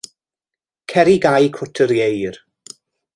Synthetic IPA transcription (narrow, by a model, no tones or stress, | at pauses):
kʰɛɾiɡajkʰʊtʰəɾjejr